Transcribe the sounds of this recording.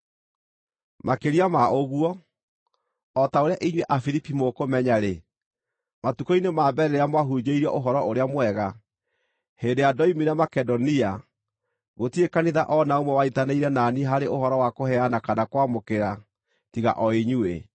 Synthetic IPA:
makeɾiamaoɣuwɔ | ɔtaoɾeaʔiɲwɛʔafiɾipimokomɛɲaɾe | matukoinemaːbɛɾeɾeamwaɦud͡ʑeiɾiɔʔoɦɔɾɔoɾeamwɛɣa | heːndejadɔimiɾjamakɛdɔnia | ɣotiekaniðaʔɔnaomwɛwaitaneiɾɛnaːniɦaɾeʔohɔɾɔwakohɛanakanakwamokeɾa | tiɣa̰ʔɔeɲue

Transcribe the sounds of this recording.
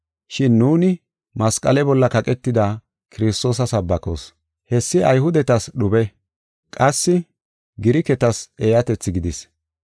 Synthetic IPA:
ʃɪnːuːnɪ | mɐskʼɐlɛbɔlːɐkɐkʼɛt̪ːɪd̪ɐ | kɪɾɪst̪o̞ːs̬ɐsɐbːɐko̰s | hɛsːɪʔɐjhʊd̪ɛt̪ɐsɗʊbɛ | kʼɐsːɪ | ɡɪɾɪkɛt̪ɐseːjɐt̪ɛt͡sːɪɡɪd̪ɪs

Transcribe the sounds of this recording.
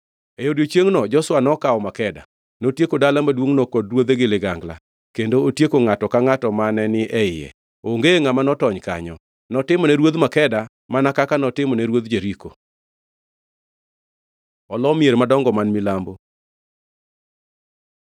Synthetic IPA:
ejodot͡ʃjeŋnɔd͡ʒɔswanɔkaɔmakɛda̰ | notjekodalamadwoŋnɔkɔdrwod̪eɡɪlɪɡaŋɡla̰ | kendootjekoŋatɔkaŋatɔmanɛnɪʔɛɪjɛ̰ | oŋɡeŋamanɔtɔɲka̰ɲɔ | nɔtɪmɔnɛɾwod̪makɛda | manakakanɔtɪmɔnɛɾwod̪d͡ʒeɾiko | ɔlɔmieɾmadɔŋɡɔmanmɪlambo

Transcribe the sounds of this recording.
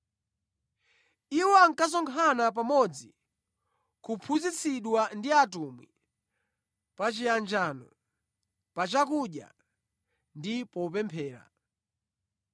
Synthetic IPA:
iwɔaŋkas̬ɔŋkʰanap̬amɔd͡zi | kupʰuzit͡sʰiɗwandiatumwḭ | pat͡ʃijand͡ʒanɔ | pat͡ʃakuɗja̰ | ndipɔupɛmpʰɛːɾa̰

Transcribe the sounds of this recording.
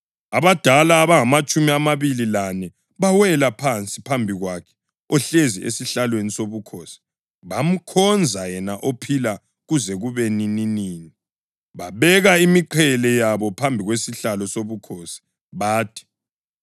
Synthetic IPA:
aβad̥ʱalaːβaŋamat͡ʃʼumiamaβililanɛ | βawɛlapʰant͡sʼipʰambʱiɣwakʰɛ̥ | ɔɬezḭʔḛsiɬalwenisoβukʰoːsi̥ | βam̩kʰɔnd͡zʱajɛnaʔopʰila | ɣuzɛɣuβenininiːni | βaβɛɣaimiǃʰɛlɛjaβɔpʰambʱiɣwesiɬalɔsoβukʰoːsi̥ | βaːtʰi̥

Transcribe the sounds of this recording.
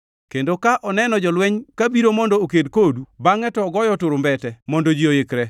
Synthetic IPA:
kendokaʔɔnɛnɔd͡ʒɔlwɛɲkabiɾomɔndoːkedkodubaŋɛtɔɡɔjɔtʊɾʊmbɛtɛmɔndod͡ʒiojekɾɛ

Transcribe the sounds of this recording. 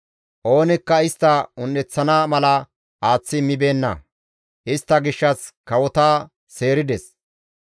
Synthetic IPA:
ʔo̞ːnɪkːɐɪst̪ːɐʊnːɛt͡sːɐnaːmɐlɐ | ʔaːt͡sːɪmɪbe̞ːnːɐ̰ | ʔɪst̪ːɐɡɪʃːɐskɐwɔt̪aː | se̞ːɾɪd̪ɛs

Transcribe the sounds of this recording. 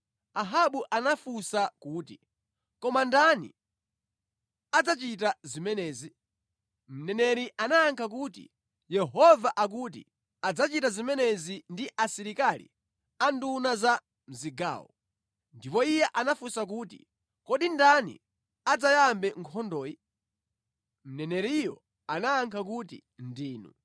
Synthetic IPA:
aɦaɓuʔanafusakuːtḭ | kɔmandanḭ | ad͡zat͡ʃitazimɛnɛːzi | m̩nɛnɛɾiʔanaːŋkʰak̬utḭ | jɛɦɔvaʔak̬uːt̬ḭ | ad͡zat͡ʃitazimɛnɛzindiʔasiɾikalḭ | andunaza | m̩ziɡa̰ːwɔ̰ | ndipɔijɛʔanafusak̬uːtḭ | kɔɗindanḭ | ad͡zajambɛŋkʰɔndɔːji | m̩nɛnɛɾijɔ | anaːŋkʰak̬utḭndiːnṵ

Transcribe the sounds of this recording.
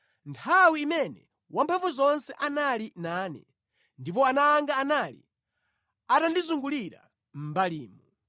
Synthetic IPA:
ntʰawiːmɛnɛ | wampʰaɱvɔzɔnsɛʔanalinaːnɛ̰ | ndip̬ɔanaːŋɡaːnalḭ | atandizuŋɡuliɾa̰ | m̩baliːmu

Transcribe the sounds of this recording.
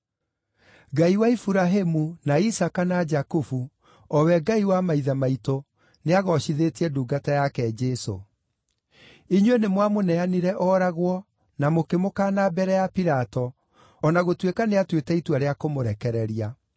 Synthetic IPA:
ɡaiwaifuɾaɦemunaisakanad͡ʒakufu | ɔwɛɡaiwamaiðamaito | neaɣɔʃiðetiɛduːɡatajakɛd͡ʒɛso̰ | iɲwenemwamonɛaniɾɛʔɔɾaɣwɔ | namokemokanabɛɾɛjapiɾatɔː | naɣotwekaneatwetɛitwaɾeakomoɾɛkɛɾɛɾia

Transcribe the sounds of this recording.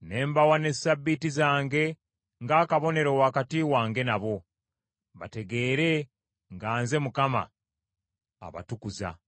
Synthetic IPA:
ne̞ːmbawane̞ssabːitizaːŋɡe̞ | ŋɡaːkaβo̞ne̞ɾowaːkatiwaːŋɡe̞naβo̞ | βa̰te̞ɡe̞ːɾe̞ | ŋɡaːnze̞mukama̰ | βa̰tukuza̰

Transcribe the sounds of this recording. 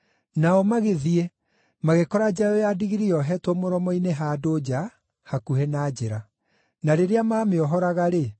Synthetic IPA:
naɔmaɣeðiɛ | maɣekɔɾad͡ʑajɔjadiɣiɾijɔɦɛtwɔmoɾɔmɔineɦaːdoːd͡ʑa | hakuhɛnaːd͡ʑeɾa | naɾeɾeamaːmeɔɦɔɾaɣaɾe

